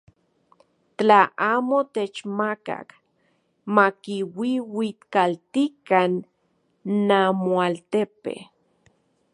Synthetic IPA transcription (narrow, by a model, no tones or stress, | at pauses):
t͡ɬaaːmot̪et͡ʃmaka̰k | makiwiwit̪kalt̪ikanː | amoalt̪epḛ